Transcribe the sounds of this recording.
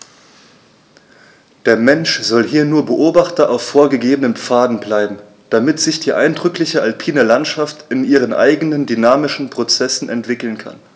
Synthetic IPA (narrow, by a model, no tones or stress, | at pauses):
d̥eːɐmɛnʃz̥ɔlɦiːɐnuːɐbəʔoːbaχtɐʔaʊfːoːɐɡəɡeːbənənp͡faːdn̩blaɪbm̩ | d̥amɪtz̥ɪçd̥iːʔa̰ɪndʁʏklɪçəʔalpʰiːnəlantʃaftɪnʔiːʁ̞ənʔa̰ɪɡənəndynaːmɪʃn̩pʁ̥ot͡sɛsn̩ʔɛ̰ntv̥ɪkl̩nkʰa̰n